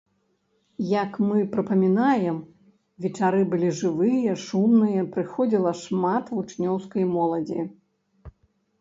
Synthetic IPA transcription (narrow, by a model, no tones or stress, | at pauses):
jɐkmɨpɾɐpɐmʲinajɛm | vʲɛt͡ʂaɾɨbɨlʲiʐɨvɨjɐʂumnɨjɐpɾɨxɔd͡zʲilˠɐʂmat̪vut͡ʂnʲɔwskɐjmɔlˠɐd͡zʲi